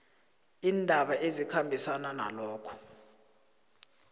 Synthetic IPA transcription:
iːndʱaɓaʔezikʰambʱisananalɔːkʰɔ̥

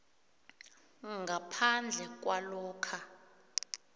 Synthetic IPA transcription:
ŋɡʱapʰand͡ɮʱɛk̬ʼwalɔːkʰa

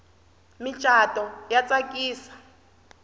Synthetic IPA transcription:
mit͡ʃʼatʼɔjat͡sʼakʼiːsḁ

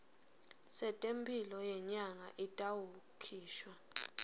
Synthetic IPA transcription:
sɛtʼempʰʼilɔjɛɲaŋaʔitʼawukʰiːʃwa

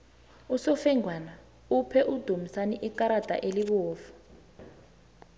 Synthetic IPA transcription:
usɔfɛŋʱwana | upʰɛʔud̥ʱumisaniʔikaɾad̥ʱʼa̰ʔeliɓɔːfu̥

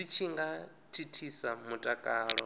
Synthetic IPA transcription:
it͡ʃʰiŋɡa | tʰitʰisamutʼakʼaːɺɔ

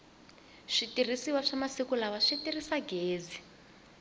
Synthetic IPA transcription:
ʂitir̤isiwaʂamasikulawaʂitirisaɡeːd͡zi

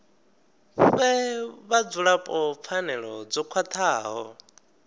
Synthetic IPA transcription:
βɛβad͡zuɺapʼɔp̪fʰanɛɺɔd͡zɔkʰwat̪ʰaːɦɔ

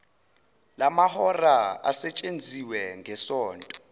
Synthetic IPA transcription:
lamahɔraa̰sɛt͡ʃʼend͡zʱiwɛŋʱɛsɔːntʼɔ

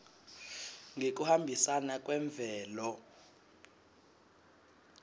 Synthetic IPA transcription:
ŋek̬ʼuhambʱisanak̬ʼwɛɱb̪vʱɛːlɔ

